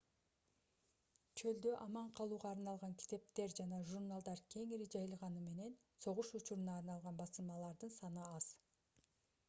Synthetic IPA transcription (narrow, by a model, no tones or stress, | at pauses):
t͡ʃʰø̞ld̪øʔɑmɑɴqʰɑlˠuːʁɑːɾnɑlˠʁɑŋkʲʰi̥t̪e̞p̚t̪e̞ɾd͡ʒɑnɑʒuɾnalˠd̪ɑɾkʲʰe̞ŋiɾid͡ʒɑjɯlˠʁɑnɯme̞ne̞n | so̞ʁuʃut͡ʃuɾunɑːɾnɑlˠʁɑnbɑsɯlˠmɑlˠɑɾd̪ɯnsɑnɯɑz̥